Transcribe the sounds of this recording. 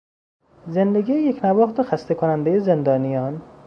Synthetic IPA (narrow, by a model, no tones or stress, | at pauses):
ze̞nd̪eɡʲiːjejekʰnævɒːχt̪exæst̪ekʰonænd̪ejeze̞nd̪ɒːnijɒːn